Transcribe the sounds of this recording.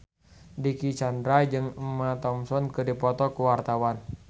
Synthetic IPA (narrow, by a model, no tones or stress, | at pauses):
dikit͡ʃandɾajd͡ʒɨŋəmːat̪ɔmsɔnkɨdipɔt̪ɔkuwart̪awan